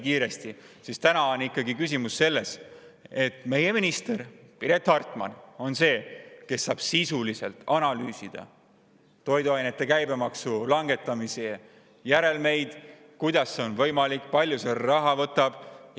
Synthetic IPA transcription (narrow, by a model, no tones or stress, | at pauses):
kiːɾe̞st̪i | sist̪ænɑonikːˑɑɡikys̬imusːe̞lːe̞s | e̞t̪ːˑme̞je̞minist̪eɾpiɾe̞t̪hɑrt̪ˑmɑ̰no̞nse̞ːke̞sːɑ̰ːb̥sisulise̞lt̪ɑnɑlyːsid̪̥ɑ̰ | t̪o̞jd̪uɑjnet̪ˑːe̞kæjbe̞mɑksulɑŋɡe̞t̪ːˑɑmise | jæɾe̞lme̞jd̪̥ | kujd̪̥ɑsːeo̞nvɤjmɑlikːˑpɑlʲjuserɑɦɑvɤt̪ːˑɑb̥